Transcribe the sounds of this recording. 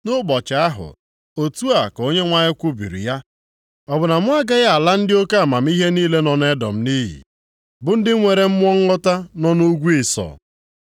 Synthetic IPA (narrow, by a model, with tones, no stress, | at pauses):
nʊ˦bɔ˨t͡ʃa˨a˦ɦʊ̰˨ | o˨tu˦a˨ko˦ɲe˦ŋʷa˦ɲɪ˦kʷʊ˦bḭ˨ɾḭ˨ja˦ | ɔ˨bʊ˨na˨mʊ˦a˦ɡa˦ja˦a˨la˦n̩˦dɪ˦o˦ka˦˨ma˨m̩˦i˦ɦe˦niː˦le˦nɔ˨ne˦dɔ̰˨m̩˨ni˦ɦḭ˨ | bʊ˨n̩˦dɪ˦ŋʷe˨ɾe˨m̩˦m˦ɔ˦ŋ̩˦ɔ˦ta˦nɔ˦nu˦ɡʷi˨sɔ̰ː˨